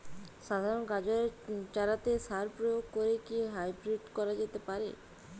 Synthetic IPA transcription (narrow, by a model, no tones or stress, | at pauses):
ʃad̪ʱaɾonɡad͡ʑoɾeɾt͡ɕaɾat̪eʃaɾpɾojoɡ̚koɾekiɦajbɾeʈkɔɾad͡ʑet̪epaɾḛ